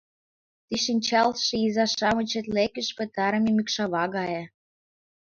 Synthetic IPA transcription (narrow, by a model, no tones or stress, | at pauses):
t̪iʃinʲt͡ɕɑlʃĕizɑʃɑmɤ̆t͡ɕĕt̪lekəʃpə̆t̪ɑɾɤ̆memykʃɑβɑɣɑje